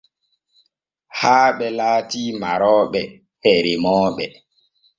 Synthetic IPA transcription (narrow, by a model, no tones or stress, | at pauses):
haːɓɛlaːtiːmaɾɔːɓɛ | hɛɾimɔːɓɛ